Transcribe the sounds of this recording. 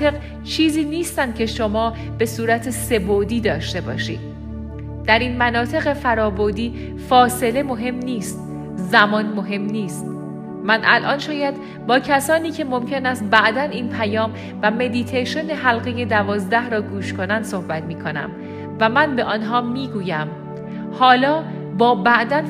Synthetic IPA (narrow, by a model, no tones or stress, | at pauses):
e̞ɣ | t͡ʃʰiːziːniːst̪ænd̪̚cʰʲe̞ʃomɒː | b̥e̞suːɾæt̪ʰese̞bod̪iːd̪ɒːʃt̪e̞bɒ̰ːʃḭ̥ː | d̪̥æɾiːnmænɒːt̪ʰe̞ɣe̞fæɾɒːboɾd̪iː | fɒːse̞le̞mo̞ɦe̞mniːst̪ | zæmɒːnmoɦe̞mniːst̪ | mænʔæ̰lʔɒ̰ːnʃɒːjæd̪ | bɒːcʰæsɒːniːcʰe̞mo̞mcʰe̞næst̪̚bæʔd̪æniːnpʰæjɒːm | væme̞d̪it̪ʰeʃoneɦælɣeje̞d̪ævɒːzd̪æhɾɒːɡuːʃkʰo̞nænd̪̥so̞hbæt̪miːkʰo̞næ̰m | væmænbe̞ʔɒːnɦɒːmiːɡuːjæm | hɒːlɒː | bɒːbæʔd̪æn